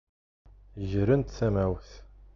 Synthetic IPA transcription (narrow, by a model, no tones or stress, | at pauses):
ʒɾənt̪θæmæwθ